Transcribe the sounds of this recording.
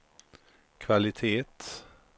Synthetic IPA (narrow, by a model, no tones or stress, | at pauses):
kʰvalɪt̪ʰeːt̪